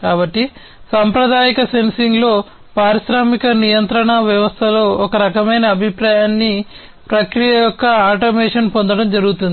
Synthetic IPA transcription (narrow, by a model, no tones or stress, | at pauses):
kaːbɐʈːi | sɐmpɾɐd̪aːjikɐse̞nsiŋɡlo̞ː | paːɾiʃɾaːmikɐnijɐnt̪ɾɐɳɐʋjɐʋɐst̪ʰɐlo̞ːɔkɐɾɐkɐmɐjnɐːbʱipɾaːjaːnːi | pɾɐkɾijɐjɔkːɐaːʈ̬ɐmɛːʂɐnpond̪ɐɽɐmd͡ʒɐɾuɡut̪und̪i